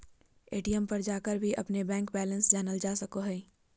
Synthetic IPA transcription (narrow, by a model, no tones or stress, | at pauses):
eːʈijəmpɐɾd͡ʒaːkəɾbʱiʔɐpnebɛ̃ːŋkbɛːlə̃nsd͡ʒaːnəld͡ʒaːsɐkoɦɛː